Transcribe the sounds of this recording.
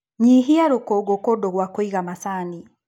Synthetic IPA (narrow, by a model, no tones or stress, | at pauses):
ɲiɦiaɾokoɡokodoɣwakoiɣamasaːni